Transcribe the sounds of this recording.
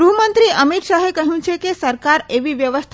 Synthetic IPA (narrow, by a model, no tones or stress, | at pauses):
uɦmənt̪ɾiʔəmit̪ʃaɦekəɦjũt͡ʃʰekesəɾkaɾeʋiʋjəʋəst̪ʰ